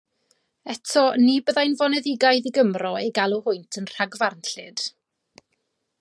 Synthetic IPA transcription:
ɛtʰɔnibəðajnvɔnɛðɪɡajðiɡəmrɔejɡalˠuhʊɨntʰənr̥aɡvarnɬɪd̥

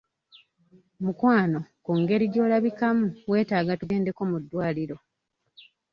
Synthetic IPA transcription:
mukwaːno̞kuːŋɡe̞ɾiɟo̞ːlaβikamuwe̞ːtaːɡatuɡe̞ːnde̞ko̞mudːwaːliɾo̞

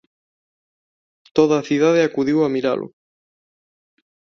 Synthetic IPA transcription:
t̪oðaːθiðað̞eakuðiwamiɾa̰lʔʊ̰

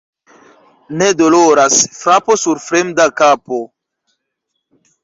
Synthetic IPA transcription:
nedoloɾasfɾapo̞suɾfɾemdakapo

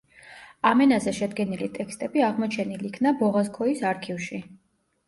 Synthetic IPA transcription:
amɛnazɛʃɛd̪ɡɛnilit̪ʼɛkʰst̪ʼɛbiaʁmɔt͡ʃʰɛnilikʰnabɔʁaskʰɔisaɾkʰivʃi

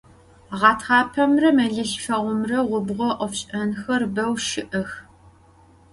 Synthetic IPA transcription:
ʁɑːtʰʁɑːpʰɐmrɐmɐɮɨɬfɐʁʷʊmrɐʁʷʊbʁʷɔʔʷɔfɕʼɐnxɐrbɐwʃɪʔɐx

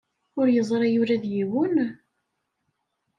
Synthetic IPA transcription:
ʊɾjəzˤɾˤɑjʊɾæðjiwʊn

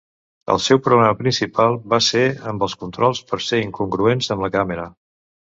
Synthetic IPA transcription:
ə̰lˠsɛwpɾuɣɾɛməpɾinsipalˠβaseəmbəlˠskunt̪ɾɔlˠspəɾseiŋkuŋɡɾuenzəmləkaməɾə

